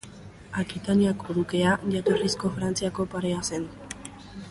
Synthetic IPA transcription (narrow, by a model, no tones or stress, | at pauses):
akit̪aniakoðuke̞aʝat̪orisko̞fɾant͡siako̞paɾe̞ase̞n